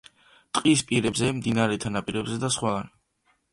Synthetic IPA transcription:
t̪ʼqʼispʼiɾɛbzɛmd̪inaɾɛt̪ʰanapʼiɾɛbzɛd̪asχwadan

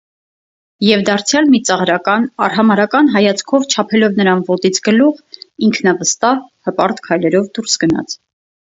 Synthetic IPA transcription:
jɛvd̪ɑɾt͡sʰjɑlmit͡sɑʁɾɑkɑnɑ̰ɾɦɑmɑɾɑkɑnɦɑjɑt͡sʰkʰɔvt͡ʃʰɑpʰɛlɔvnəɾɑnvɔt̪it͡sʰɡəluʁiŋkʰnɑvəst̪ɑhhəpɑɾt̪kʰɑjlɛɾɔvd̪uɾsɡənɑ̰t͡sʰ

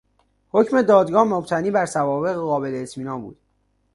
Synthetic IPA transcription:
hocme̞d̪ɒːd̪ɡɒːhmob̚t̪ʰæniːbæɾsævɒːbe̞ɣeɢɒːbe̞leːt̪ʰmiːnɒːnbṵːd̪̥

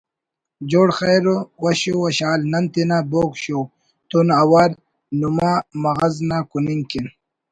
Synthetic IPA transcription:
d͡ʑoːɽxejɾowɐɕowɐɕaːlnɐnt̪inaboːkɕo | t̪unawaɾ | numamɐɣaznakuniŋkin

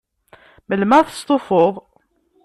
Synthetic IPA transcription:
məlmæθə̥st̪ˤofoðˤ

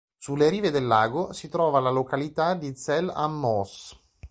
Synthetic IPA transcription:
sulːeɾiːved̪elːaːɡosit̪ɾɔːvalalokalit̪ad̪isɛla̰mːɔs

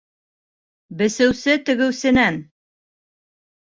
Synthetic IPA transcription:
bɘ̆sɘ̆wsɘt̪ɵ̆ɡɘ̆wsɘ̆næn

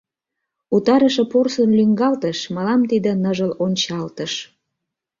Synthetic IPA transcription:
ut̪ɑɾəʃĕporsənlyŋɡɑlt̪əʃmɑlɑmt̪id̪ə̆nəʒəlonʲt͡ɕɑlt̪əʃ

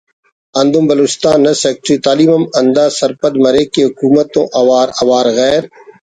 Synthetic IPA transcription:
ɐ̃nd̪õmbɐlʊst̪aːnːɐseːk̚ʈɾiːt̪aːliːmɐmɐ̃nd̪aːsɐɾpɐd̪mɐɾeːkeɦʊkuːmət̪õ̰ʔɐʋaːɾɐʋaːɾɣɛːɾ

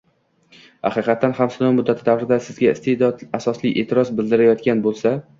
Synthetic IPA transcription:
ha̰qɨqɑt̪ːanhamsɪnɒwmʊd̪ːat̪ʰɪd̪avɾɪd̪asɪzɡʲaɪst̪ʰed̪ɒd̪asɒsliʔeːt̪ʰɪɾɒzbɪld̪ɪɾajɒt̪kʲanbolˠsa

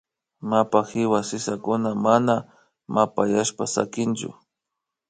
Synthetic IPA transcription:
mapaxɪwasɪsakʊnamana | mapajaʃpasa̰kɪnt͡ʃʊ̰

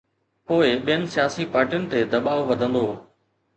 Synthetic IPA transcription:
poːɪɓijənsijaːsiːpaːɾʈijʊnɪ̆t̪eːd̪ɐɓaːʋʋɐd̪ʱə̃nd̪oː

